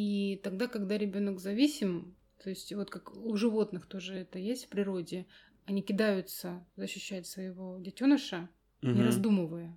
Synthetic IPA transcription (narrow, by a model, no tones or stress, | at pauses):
it̪ɐɡ̚d̪akɐɡd̪aɾʲɪbʲo̞nəkzɐvʲisʲɪm | t̪ʰo̞ɪsʲtʲvo̞t̪kakʊʐɨvo̞t̪nɨxt̪o̞ʐɨɛt̪əjesʲtʲfpɾʲɪɾo̞dʲɪ | ɐnʲikʲɪd̪ajʊt̪səzəɕːʏɕːætʲsvəjɪvo̞dʲɪtʲonəʂə | nʲɪɾɐzd̪uməvəjə